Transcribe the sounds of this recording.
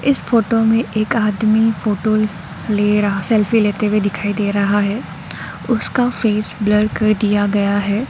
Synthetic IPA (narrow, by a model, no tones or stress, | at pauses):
ɪsfoːʈomẽʔeːkaːd̪mifoːʈo | leːɾɐɦsɛlfileːt̪ewed̪ɪkʰaːid̪eːɾɐɦaɦɛː | ʊskafeːsbləɖkɐɾd̪ijaɡɐjaɦɛː